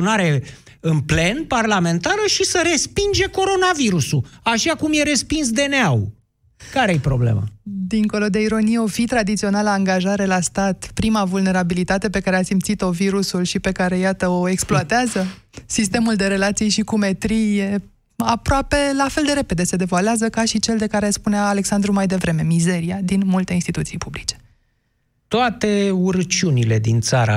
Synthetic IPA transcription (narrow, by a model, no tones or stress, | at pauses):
naɾe̞ | ɨnple̞nparlame̞nt̪aɾəʃisəɾe̞spind͡ʒe̞ko̞ɾo̞naviɾusuaʃakumje̞ɾe̞spins̬d̪e̞neaw | kaɾepɾoblḛmə̰d̪iŋko̞lo̞d̪e̞iɾo̞nijeo̞fit̪ɾad̪it̪sio̞naləaŋɡaʒaɾe̞last̪at̪pɾimavulne̞ɾabilit̪at̪e̞pe̞kaɾeasimt̪sit̪o̞viɾusulʃipe̞kaɾe̞jat̪əoe̞ksploat̪eazə | sist̪e̞muld̪e̞ɾe̞lat̪sijʃikume̞t̪ɾije | apɾoape̞lafe̞ld̪e̞ɾe̞pe̞d̪e̞se̞d̪e̞valeazəkaʃit͡ʃe̞ld̪e̞kaɾe̞spuneaːle̞ksand̪ɾumajd̪e̞vɾe̞me̞mize̞ɾiad̪inmult̪e̞inst̪it̪ut̪sijpublit͡ʃe̥ | t̪oat̪e̞uɾət͡ʃunile̞d̪int̪saɾa̰